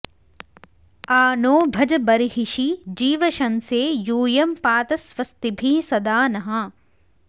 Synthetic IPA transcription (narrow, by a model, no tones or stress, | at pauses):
aːnoːbʱɐd͡ʒɐbɐɾɦiʃid͡ʒiːʋɐʃɐnseːjuːjɐmpaːt̪ɐsʋɐst̪ibʱiːsɐd̪aːnɐɦɐ̃